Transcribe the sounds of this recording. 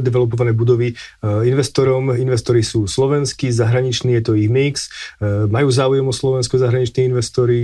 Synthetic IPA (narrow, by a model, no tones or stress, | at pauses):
d̪ɛʋɛlɔp̬ɔʋanɛːbud̪ɔʋiinʋɛst̪ɔɾɔminʋɛst̪ɔɾisuːslɔʋɛnskizaɦɾaɲit͡ʃniːjɛt̪ɔiɣmiksmajuːzaːujɛmɔslɔʋɛnskɔzaɦɾaɲit͡ʃniːinʋɛst̪ɔɾi